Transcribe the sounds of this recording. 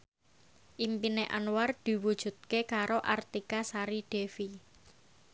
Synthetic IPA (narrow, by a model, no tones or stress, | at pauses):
ʔimpineʔanward̪̥i̤wud̥ʒ̥ṳt̪̚kekaɾoʔart̪ikasaɾiɖ̥e̤fi